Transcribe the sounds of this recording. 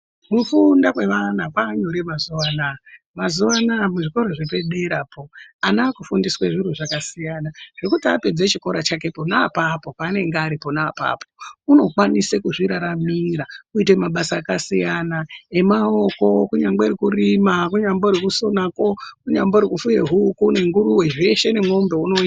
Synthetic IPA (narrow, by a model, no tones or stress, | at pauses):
kufundakweʋanapaːɲoɾemazuʋana | mazuʋanamuʐiko̞ɾo̞ʐepe̞ɗe̞ɾapo̞anaːkufundisweʐiɾuʐakasijanaʐ̥ikutiape̞d͡zet͡ʃiko̞ɾat͡ʃake̞po̞napapo̞pane̞ŋɡaɾipo̞naːpa̰pʰouno̞kwanisekuʐiɾaɾamiɾakuite̞maɓasaːkasijanae̞mao̞ko̞kuɲaŋɡ͡beirikurimakuɲamboɾikuso̞nako̞kuɲamboɾikufujeɦukune̞ŋɡuɾuwe̞ʐe̞ʃe̞ne̞mwombe̞unoi